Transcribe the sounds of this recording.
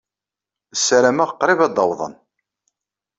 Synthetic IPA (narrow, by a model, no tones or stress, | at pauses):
sːæɾæmæʁəqːɾɪvɑd̪ɑwðˤə̰n